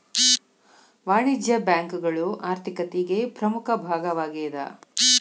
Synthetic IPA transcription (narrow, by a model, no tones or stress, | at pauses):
ʋaːɳid͡ʒjɐbjaːŋkuɡɐɭuʔaːɾt̪ʰikɐt̪iɡe̞pɾɐmukʰɐbʱaːɡɐʋaːɡɛːd̪ɐ̰